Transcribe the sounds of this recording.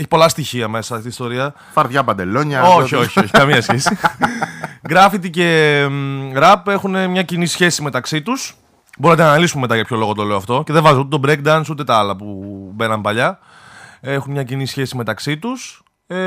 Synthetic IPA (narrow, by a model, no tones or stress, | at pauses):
eçi̥po̞lɐst̪içiɐme̞sɐt̪ist̪o̞ɾiɐ | fɐɾðʝɐpɐnd̪eloɲɐoçio̞çioçi̥kɐmiɐsçesi | ɡɾɐfit̪̬ice̞ | ɾɐpe̞xunemɲɐcinisçe̞sime̞t̪ɐksit̪us | boɾit̪̬enɐnɐlisumeme̞t̪ɐʝɐpço̞lo̞ɣot̪ole̞oɐft̪o̞ce̞ðevɐzeut̪et̪obɾekd̪ɐnsut̪e̞t̪ɐɐlɐpube̞nɐmpɐʎɐ | e̞xunmɲɐcinisçe̞sime̞t̪ɐksit̪us